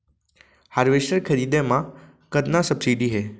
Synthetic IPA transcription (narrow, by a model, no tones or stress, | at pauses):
haɾʋeʃəɾkʰəɾiːd̪emã | kəd̪nãsəbsiɖiɦeː